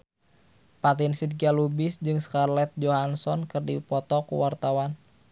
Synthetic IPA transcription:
pat̪insid̪̚ɡalubɪsd͡ʒɨŋskarlɛt̪̚d͡ʒoɦansɔnkɨrdipɔt̪ɔkṵwart̪awan

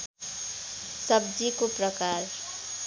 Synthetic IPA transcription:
sʌbd͡zikoprʌkaɾ

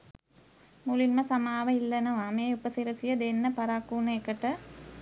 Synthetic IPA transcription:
mulinmɐsɐmaːʋɐilːɐnɐʋaːmeːupɐsiɾɐsijɐd̪enːɐpɐɾaːkːuːnɐekːɐʈːɐ

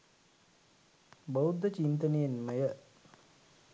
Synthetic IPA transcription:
bowud̪ːət͡ʃint̪ənejənməjə

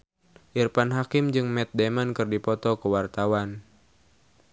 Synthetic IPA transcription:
ʔirpanɦakimd͡ʒɨŋmɛt̪̚dɛmankɨrdipɔt̪ɔkəwart̪awan

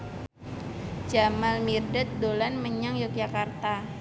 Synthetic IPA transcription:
d͡ʒamalmirdət̪̚dolanməɲaŋjɔk̚d͡ʒakart̪a

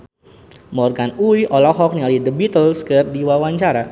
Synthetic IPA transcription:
mɔrɡanuiʔɔlɔɦɔk̚nialidəbit̪əlskərdiwawaɲt͡ʃaɾa

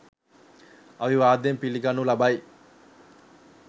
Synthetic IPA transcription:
ɐʋiʋaːd̪empiliɡɐnːulɐbaj

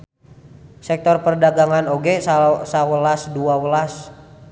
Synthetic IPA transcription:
sɛk̚t̪ɔrpərdaɡaŋanoɡɛsasawəlasduawəlas

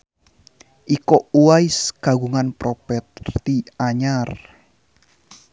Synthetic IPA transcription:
ʔikouwaisɡ̥a̤ɡuŋanpɾopɛt̪̚t̪iaɲar

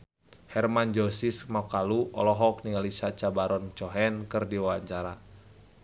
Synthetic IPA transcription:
hɛrmand͡ʒɔsismakaluɔ̰lɔɦɔk̚nialisat͡ʃabaɾɔnt͡ʃɔɦɛnkɨrdiwawaɲt͡ʃaɾa

